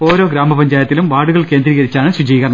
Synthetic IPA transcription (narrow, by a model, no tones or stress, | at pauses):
o̞ːɾo̞ːɡɾaːmɐpɐɲd͡ʑaːjɐt̪ːilumʋaːɽuɣɐɭke̞ːnd̪riːɣɐɾit͡ɕːaːɳɨsud͡ʑɐjiɣɐrɳɐ